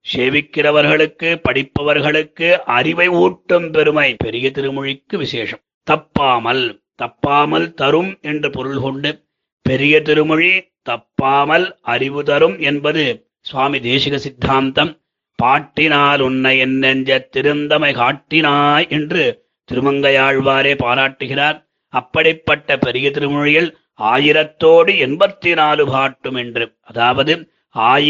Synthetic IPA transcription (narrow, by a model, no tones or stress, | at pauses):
seːʋɪkːɪrɐʋɐɾɣɐɭɯkːɯpɐɽɪpːɐʋɐɾɣɐɭɯkːɯʔɐɾɪʋɐɪuːʈːɯmpɛɾɯmɐɪpɛɾɪjɐt̪ɪɾɯmɔɻɪkːɯʋɪseːʂɐm | t̪ɐpːaːmɐl | t̪ɐpːaːmɐlt̪ɐɾɯmɛndrɯpɔɾɯlkɔɳɖɯ | pɛɾɪjɐt̪ɪɾɯmɐɻi | t̪ɐpːaːmɐlɐɾɪʋɯt̪ɐɾɯmɛnbɐðɯ | sʋaːmid̪eːʂɪɣɐsɪd̪ʱːaːmt̪ɐm | paːʈːɪnaːlʊnːɐɪɛnːɐɲd͡ʒɐt̪ːɪɾɯnd̪ɐmɐɪkaːʈːɪnaːjɛndrɯ | t̪ɪɾɯmɐŋɡɐjaːɻʋaːɾeːpaːɾaːʈːɯɣɪraːɾ | ɐpːɐɽɪpːɐʈːɐpɛɾɪjɐt̪ɪɾɯmʊɻɪjɪl | aːjɪɾɐt̪ːoːɽɯɛnbɐt̪ːɪnaːlɯbaːʈːɯmɛndrɯ | ɐðaːʋɐðɯ | aːj